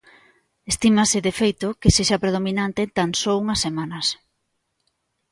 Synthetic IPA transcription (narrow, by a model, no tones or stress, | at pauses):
est̪imasɪðefejt̪ʊkeseʃɐpɾeð̞ominant̪et̪ansowuŋɐsːemanɐs